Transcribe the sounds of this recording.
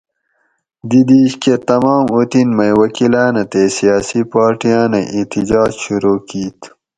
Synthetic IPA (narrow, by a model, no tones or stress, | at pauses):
d̪id̪iɕket̪ɐmɑːmot̪inmɐjwɐkilaːnɐt̪esijɑːsipaːɾʈijaːneʔit̪id͡ʑɑːd͡ʑɕuɾoːkiːt̪